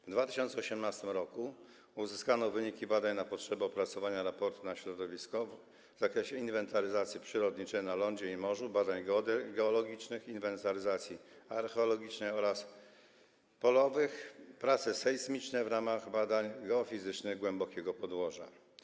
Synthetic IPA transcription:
vd̪vat̪ɘɕɔnt̪sɛɔɕɛmnast̪ɘmɾɔku | uzɘskanɔvɘɲikʲibad̪aɲnapɔtʂɛbɛɔpɾat̪sɔvaɲaɾapɔɾt̪unaɕɾɔd̪ɔvʲiskɔv | zakɾɛɕɛinvɛnt̪aɾɘzat̪sʲjipʂɘɾɔd̪ɲit͡ʂɛjnalɔɲd͡ʑɛimɔʐubad̪aɲɡɔd̪ɡɛɔlɔɡʲit͡ʂnɘxinvɛnt̪aɾɘzat̪sʲjiaɾxɛɔlɔɡʲit͡ʂnɛjɔɾas | pɔlɔvɘxpɾat̪sɛsɛjsmʲit͡ʂnɛvɾamaɣbad̪aɲɡɛɔfʲizɘt͡ʂnɘɣɡwɛmbɔkʲɛɡɔpɔd̪wɔʐa̰

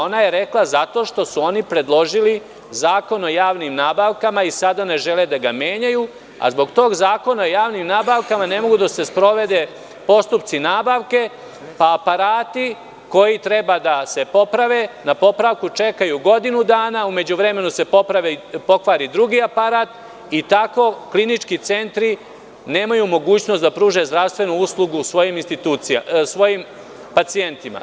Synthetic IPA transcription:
o̞naje̞ɾe̞klazat̪o̞ʃt̪o̞suo̞nipɾe̞d̪lˠo̞ʒili | zaːko̞no̞jaːʋnimnaːbaʋkamaisad̪ane̞ʒeled̪aɡame̞ːɲaju | a̰zbo̞ɡt̪o̞ːɡzaːko̞naojaːʋnimnaːbaʋkamane̞mo̞ɡud̪ase̞spɾo̞ʋe̞d̪e̞ | po̞st̪upt̪sinaːbaʋke̞ | paːpaɾaːt̪i | ko̞jit̪ɾe̞bad̪ase̞po̞pɾaʋe̞napo̞pɾaʋkut͡ʃe̞kajuɡo̞d̪inud̪aːnaume̞d͡ʑuʋɾe̞me̞nuse̞popɾaʋepo̞kʋaɾid̪ɾuɡiːapaɾaːt̪ | it̪ako̞klinit͡ʃkit̪se̞nt̪ɾi | ne̞ːmajumo̞ɡuːt͡ɕno̞st̪d̪apɾuːʒe̞zd̪ɾaʋst̪ʋe̞nuuslˠuɡusʋo̞jiminst̪it̪uːt̪sia̰sʋo̞jim | pat̪sie̞nt̪ima̰

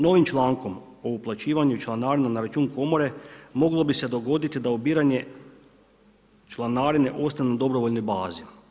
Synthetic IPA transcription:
no̞ʋimt͡ʃlˠaːŋko̞m | o̞uplˠat͡ɕiːʋaɲut͡ʃlˠanaːɾinanaɾat͡ʃuːŋko̞mo̞ɾe̞mo̞ɡlˠo̞bise̞d̪o̞ɡo̞d̪it̪id̪aubiːɾaɲe̞ | t͡ʃlˠanaːɾine̞ʔo̞st̪aenad̪o̞bɾo̞ʋo̞ʎno̞jbaːzi

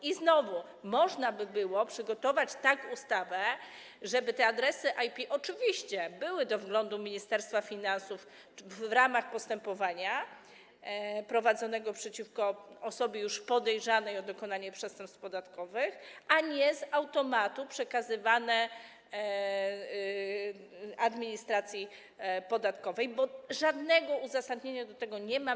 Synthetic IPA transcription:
iznɔvu | mɔʐnabɘbɘwɔpʂɘɡɔt̪ɔvat͡ɕt̪akust̪avɛ | ʐɛbɘt̪ɛad̪ɾɛsɘʔajpʲiʔɔt͡ʂɘvʲiɕt͡ɕɛbɘwɘd̪ɔvɡlɔnd̪umʲiɲist̪ɛɾst̪fafʲinansuf | ɾamaxpɔst̪ɛmpɔvaɲa | pɾɔvad̪zɔnɛɡɔpʂɛt͡ɕifkɔɔsɔbɘjuʂpɔd̪ɛjʐanɛjɔd̪ɔkɔnaɲɛpʂɛst̪ɛmpst̪̚pɔd̪at̪kɔvɘxaɲɛzawt̪ɔmat̪upʂɛkazɘvanɛ | ad̪mʲiɲist̪ɾat̪sʲji | pɔd̪at̪kɔvɛjbɔʐad̪nɛɡɔuzasad̪ɲeɲad̪ɔt̪ɛɡɔɲɛma

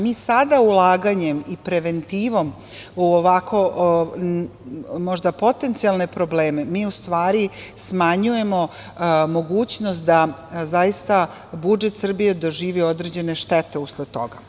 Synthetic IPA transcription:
miːsad̪aulˠaːɡaɲe̞mipɾeʋe̞nt̪iːʋo̞m | uoʋakʰo̞ | mo̞ʒd̪apo̞t̪e̞nt̪sialˠne̞pɾo̞bleːmemiːust̪ʋaːɾi | smaɲuje̞mo̞ | mo̞ɡuːt͡ɕnost̪̚d̪azajist̪a | bud͡ʒe̞t̪sr̩bije̞d̪o̞ʒiːʋio̞d̪ɾed͡ʑe̞ne̞ʃt̪et̪e̞uslet̪o̰ɡa

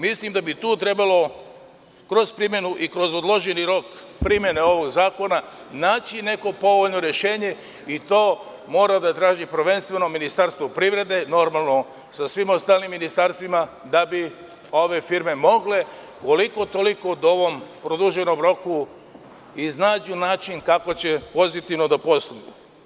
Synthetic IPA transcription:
mislimd̪abit̪uːt̪ɾe̞balo̞ | kɾo̞zpɾimje̞nuʔikɾo̞zod̪lˠo̞ʒeniɾo̞k | pɾimje̞neo̞ʋo̞ɡzaːko̞na | naːt͡ɕine̞ko̞po̞ʋo̞ʎno̞ɾje̞ʃe̞ːɲe̞ | it̪o̞ː | mo̞ːɾad̪at̪ɾaːʒipɾʋe̞nst̪ʋe̞no̞minist̪aɾst̪ʋopɾiʋɾe̞d̪e̞no̞ɾmalˠno̞ | sasʋimo̞st̪aːlnimːinist̪aɾst̪ʋima | d̪abi | o̞ʋe̞fiɾme̞mo̞ɡle̞ | ko̞liko̞t̪o̞liko̞d̪o̞ʋo̞mpɾod̪uʒeno̞mɾo̞ku | iznaːd͡ʑunaːt͡ʃinkako̞t͡ɕe̞po̞zit̪iʋnod̪apo̞st̪umu

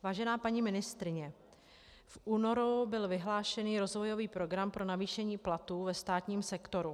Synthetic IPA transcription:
vaːʒɛnaːpaɲiːmɪnɪst̪ɾɪɲɛ | fʔuːno̞ɾubɪlvɪɦlaːʃɛniːɾo̞zvo̞jo̞viːpɾo̞ɡɾampɾo̞naviːʃɛɲiːplat̪uːvɛst̪aːt̪ɲiːmsɛkt̪o̞ɾu

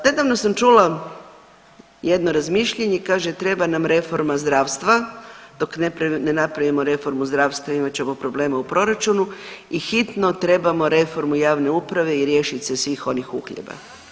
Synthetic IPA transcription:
ne̞d̪aʋno̞samt͡ʃula | je̞d̪noɾazmiʃʎeɲeikaːʒet̪ɾe̞banamɾe̞fo̞ɾmazd̪ɾaːʋst̪ʋad̪o̞knepɾanenapɾaʋimo̞ɾe̞fo̞ɾmuzd̪ɾaːʋst̪ʋaimat͡ɕemopɾo̞ble̞ːmaupɾo̞ɾat͡ʃunuixit̪no̞t̪ɾe̞bamo̞ɾe̞fo̞ɾmujaːʋne̞upɾaʋe̞iɾje̞ːʃisesʋiːxo̞nixṵxʎḛba̰

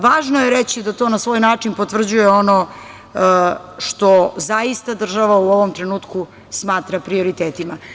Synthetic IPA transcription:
ʋaːʒnojeɾet͡ɕid̪at̪o̞ːnasʋoːjnaːt͡ʂinpo̞t̪vr̩d͡ʑuje̞o̞no | ʃt̪o̞zaist̪ad̪r̩ʒaʋauo̞ʋomt̪ɾe̞nuːt̪ku | smaːt̪ɾapɾio̞ɾit̪eːt̪ima

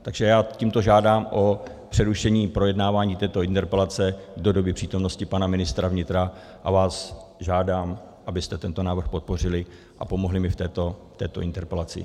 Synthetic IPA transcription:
t̪aɡʒɛjaːciːmt̪o̞ʒaːdaːmʔo̞ | pr̝̥ɛɾuʃɛɲiːpɾo̞jɛdnaːvaːɲiːt̪ɛːt̪o̞ɪnt̪ɛɾpɛlat͡sɛdo̞do̞bɪpr̥iːt̪o̞mno̞scɪpanamɪnɪst̪ɾavɲɪt̪ɾa | ʔa̰vaːs | ʒaːdaːm | ʔabɪst̪ɛt̪ɛnt̪o̞naːvr̩xpo̞t̪̚po̞r̝ɪlɪ | ʔa̰po̞mo̞ɦlɪmɪft̪ɛːt̪ot̪ɛ̰ːt̪o̞ʔɪnt̪ɛɾpɛlat͡sɪ̰

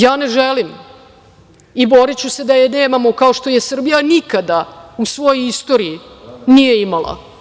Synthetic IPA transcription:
jaːneʒelim | ibo̞ɾit͡ɕuse̞d̪ajeneːmamo̞kaoʃt̪o̞je̞sr̩bijanikad̪ausʋo̞joist̪o̞ɾiinije̞imalˠa̰

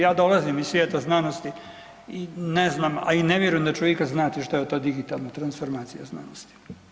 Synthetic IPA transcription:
jaːd̪o̞lazimizsʋjeːt̪aznanost̪i | ineznaːma̰ineʋjeɾujemd̪at͡ʃoʋjekaznaːt̪iʃt̪ojet̪ːoːd̪iɡit̪alˠnat̪ɾansfo̞ɾmaːt̪sijazna̰nost̪i̥

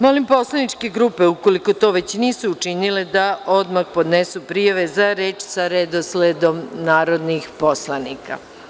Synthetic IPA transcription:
mo̞limpo̞slˠanit͡ʃkeɡɾuːpe̞uko̞liko̞t̪o̞ʋe̞t͡ɕniːsuːt͡ʃiniled̪ao̞d̪maxpo̞d̪nesupɾijaʋezaɾeːt͡ʃsaɾed̪osled̪o̞mnaːɾo̞d̪nixpo̞slˠanika̰

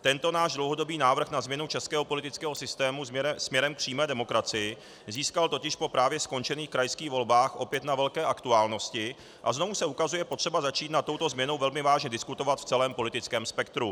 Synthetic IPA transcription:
t̪ɛnt̪o̞naːʒdlowɦo̞do̞biːnaːvr̩xnazmɲɛnut͡ʃɛskɛːɦopo̞lɪt̪ɪt͡skɛːɦo̞sɪst̪ɛːmusmɲɛɾɛmk̚pr̥iːmɛːdɛmo̞kɾat͡sɪjɪ | ziːskalt̪o̞cɪʃpo̞pɾʔaːvjɛsko̞nt͡ʃɛniːxkɾajskiːɣvo̞lbaːxʔo̞pjɛt̪navɛlkɛːʔakt̪uaːlno̞scɪ | ʔa̰zno̞vusɛukazujɛpot̪r̝̥ɛbazat͡ʃiːt̪nat̪ːo̞wt̪o̞zmɲɛno̞wvɛlmɪvaːʒɲɛdɪskut̪o̞vat̪ft͡sɛlɛːmpo̞lɪt̪ɪt͡skɛːmspɛkt̪ɾu

